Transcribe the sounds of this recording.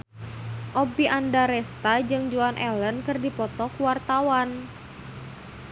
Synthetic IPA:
ʔobiʔandaɾɛst̪ad͡ʒɨŋd͡ʒuanʔɛlənkɨrdipɔt̪ɔkuwart̪awan

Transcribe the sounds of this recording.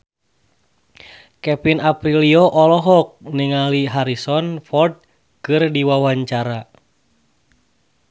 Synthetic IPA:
kɛpinapɾiliɔʔɔlɔɦɔk̚niŋaliɦaɾisɔnfɔrd̚ | kɨrdiwawaɲt͡ʃaɾa

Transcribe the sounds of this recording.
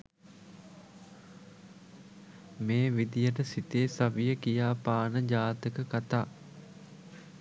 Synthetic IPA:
meːʋid̪ijəʈəsit̪eːsaʋijəkijaːpaːnəd͡ʒaːt̪əkəkat̪aː

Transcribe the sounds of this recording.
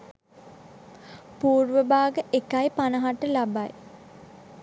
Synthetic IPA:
puːrʋəbaːɡəʔekajpanəɦaʈəlabaj

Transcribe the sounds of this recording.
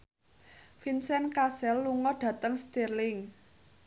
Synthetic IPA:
finsɛnkasɛlːuŋɔɖ̥ä̤t̪əŋst̪irlɪŋ

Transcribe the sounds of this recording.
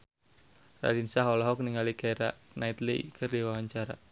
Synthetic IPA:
ra̰dinsaɦɔlɔɦɔkniŋalikajɾa̰nait̪lḭkʰərdiwawaɲt͡ʃaɾa

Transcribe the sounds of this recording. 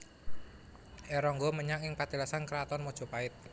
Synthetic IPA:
ʔɛɾɔŋɡɔməɲaŋɪŋpat̪ilasankɾat̪ɔnmod̥ʒ̥ɔ̤paɪt̪̚

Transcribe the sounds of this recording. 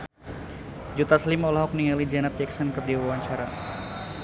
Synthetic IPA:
d͡ʒut̪aslimɔlaɦɔk̚niŋalid͡ʒanat̪̚d͡ʒɛksənkadiwawaɲt͡ʃaɾa

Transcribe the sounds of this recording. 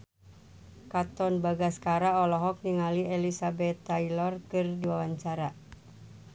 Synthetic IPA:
kat̪ɔnbaɡaskaɾaɔlɔɦɔk̚niŋalielisabɛt̪ːailɔrkɨrdiwawaɲt͡ʃaɾa

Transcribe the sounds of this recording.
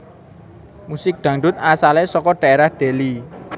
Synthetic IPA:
musɪk̚ɖ̪̥ä̤ŋɖʊt̪̚asalesɔkɔɖ̪̥aeɾahɖ̪̥e̤li

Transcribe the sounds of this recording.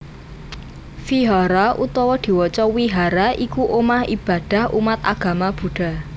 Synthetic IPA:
fiɦɔɾaʔut̪ɔwɔd̪̥i̤wɔt͡ʃɔwiɦaɾaikuʔomahib̥a̤d̪̥a̤humat̪a̰ɡ̥a̤mab̥ṳɖ̥a̤

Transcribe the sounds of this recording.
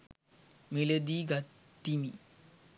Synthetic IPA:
miled̪iːɡat̪ː | imi

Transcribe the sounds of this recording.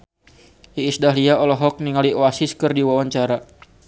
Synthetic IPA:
iːsdaɦliaɔlɔɦɔk̚niŋaliwasiskɨrdiwawaɲt͡ʃaɾa

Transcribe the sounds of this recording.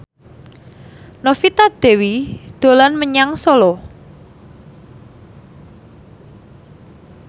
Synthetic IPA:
nofit̪ad̪̥e̤wid̪̥o̤lanməɲaŋsolɔ

